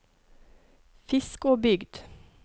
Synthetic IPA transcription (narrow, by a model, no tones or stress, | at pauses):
fɪskoːbʏɡd̪̥